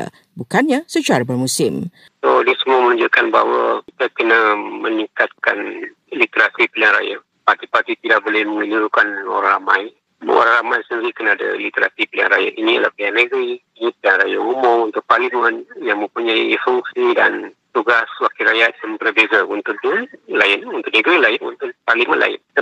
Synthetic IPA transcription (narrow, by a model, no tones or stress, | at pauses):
bukanɲasət͡ʃaɾabərmusɪm | sodiəsəmuamənũɲd͡ʒuʔkanba̰ɦwakit̪akənamənĩŋkat̪̚kan | lit̪eɾasipliaŋɾa̰ja | part̪ipat̪it̪idaʔk̚bolɛhməŋiluɾukano̰ɾaŋɾamaj̰ | o̰ɾaŋɾamajsəndiɾikənaːda̰lit̪eɾa̰sipəliaŋɾa̰ja̰ʔinia̰lahplianəɡɾiinĩpəliaŋrajaumɔunt̪ʊk̚parlimə̃njaŋmə̃mpuɲajifuŋsidan | t̪uɡaswakiɾajat̪̚jaŋbələbeɡaunt̪ʊkdulaɪnunt̪ʊʔ̚nəɡɾilaɪnṵnt̪ʊk̚parlimə̃nlʔa̰ɪ̰nt̪